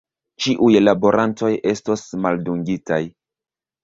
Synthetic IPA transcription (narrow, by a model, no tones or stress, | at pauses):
t͡ʃiʔujlabo̞ɾʔanto̞je̞sto̞smalduŋɡitaj